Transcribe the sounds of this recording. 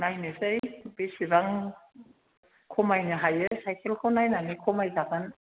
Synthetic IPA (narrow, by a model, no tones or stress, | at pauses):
najnɯsejbesiɾaŋ | kʰɔmajnɯɦajɯsajkʰelkʰonajnanɯkʰɔmajzaɡan